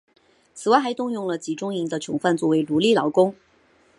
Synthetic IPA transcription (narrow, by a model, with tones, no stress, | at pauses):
t͡sʰɹ̩˨˩wa˥˩xɪt̪ʊ˥˧ŋjʊ˥˩ŋlə˩t͡ɕi˧˥ʈ͡ʂʊ˥ŋi˧˥ŋd̪ə˧t͡ɕʰjʊ˧˥ŋfa˥˧nt͡swɔ˥˩we˧˥ɪlu˧˥li˥˩lɑ˧˥ʊkʊ˥ŋ